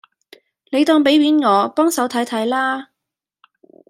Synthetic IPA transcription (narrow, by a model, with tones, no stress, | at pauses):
ne˨˧jt̪ɔː˧ŋpe˨˥jɥiː˨˥nŋɔː˨˧pɔː˥ŋsɐ˨˥wt̪ʰɐ˨˥jt̪ʰɐ˨˥jlaː˥